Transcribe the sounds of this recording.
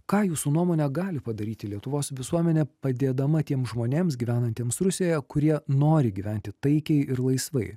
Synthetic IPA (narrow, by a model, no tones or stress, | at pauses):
kɑːjuːsuːnuɔmoːnʲɛɡɑːlʲɪpɐd̪ɐɾʲiːt̪ʲɪlʲiɛt̪ʊʋoːsʋʲɪsuɔmʲɛnʲɛpɐd̪ʲeːd̪ɐmɐt̪ʲiɛmsʒmoːnʲeːmsɡʲiːʋʲæːnɐnʲt̪ʲeɛːmsɾʊsʲeojɛkʊɾʲiɛnoːɾʲɪɡʲiʋʲɛnʲt̪ʲɪt̪ɐɪkʲɛɪɪɾlˠɐɪsʋɐɪ